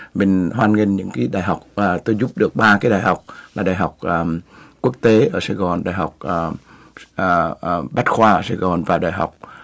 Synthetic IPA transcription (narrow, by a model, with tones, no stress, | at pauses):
ɓï˨˩ŋ̟ɦwaː˧nŋe˧nɲɨ̰˧˥ŋkaː˨˦jɗaː˧˨jɦa˨˩wk͡p̚ːt̪o˧jzʊ˦˥p̚ɗɨ˨˩ək̚ɓaː˧kaː˨˦jɗaː˨˩jha˨˩wk͡p̚laː˨˩ɗaː˨˩jɦa˨˩wk͡p̚ʔkːu˦˥ək̚t̪e˨˦ʔəː˧˩saː˧˩ɣɔ˨˩nɗa̰ː˧˨˩jɦa˨˩wk͡p̚ʔ | ɓa˦˥t̚xwaː˧ʔəː˧˩saː˧˩ɣɔ˨˩nvaː˨˩ɗaː˨˩jɦa˨˩wk͡p̚